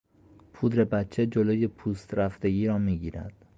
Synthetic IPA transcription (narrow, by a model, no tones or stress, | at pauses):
pʰuːd̪ɾe̞bætt͡ʃʰːe̞d͡ʒoloːje̞pʰuːst̪ɾæft̪e̞ɡiːɾɒːmiːɟiːɾæ̰d̪̥